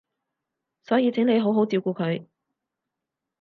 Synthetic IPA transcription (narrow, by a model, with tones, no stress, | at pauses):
sɔː˨˥jiː˨˧t͡sʰɪ˨˥ŋne˨˧jɦo˨˥wɦo˨˥wt͡siː˧wkuː˧kʰɵ˨˧ɥ